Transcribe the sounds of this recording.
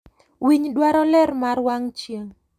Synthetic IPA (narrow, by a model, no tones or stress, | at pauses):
wiɲdwaɾɔlɛrmaɾwaŋt͡ʃjeŋ